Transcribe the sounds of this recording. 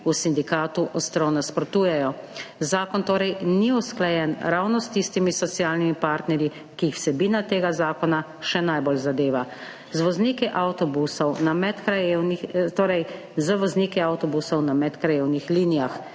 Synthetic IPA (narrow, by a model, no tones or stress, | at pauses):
usind̪ikaːt̪uʔɔst̪ɾɔwnaspɾɔt̪uːjɛjɔzaːkɔnt̪oːɾɛjniusklajɛnɾawnɔst̪ist̪imisɔt̪sijaːlnimipaːɾt̪nɛɾji | kiːxw̥sɛbiːnat̪eːɡazaːkɔna | ʃɛnajbolzad̪eːʋa | zʋɔzniːkiʔawt̪ɔbusɔwnamɛt̪kanit̪oːɾɛj | zəʋɔzniːkiawt̪ɔbusɔwnamɛt̪kɾajeːwnixliːnijax